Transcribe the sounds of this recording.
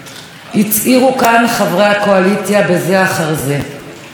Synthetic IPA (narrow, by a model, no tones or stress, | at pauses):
it͡sʔiʁukanχavʁejhako̞alit͡sjabe̞ze̞aχaʁze̞